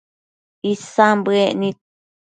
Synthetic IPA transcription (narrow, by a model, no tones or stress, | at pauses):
isãmbɨeʔnĩ